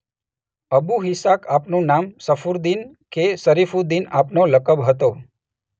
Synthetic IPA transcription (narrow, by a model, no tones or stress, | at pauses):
əbuɦɪsakapnũnamsəfuɾd̪in | kesəɾifud̪inapnoləkəbɦət̪o